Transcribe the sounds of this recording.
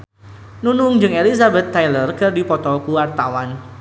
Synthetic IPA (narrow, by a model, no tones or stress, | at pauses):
nunʊŋd͡ʒɨŋelizabɛt̪ːajlərkɨrdipɔt̪ɔkuwart̪awan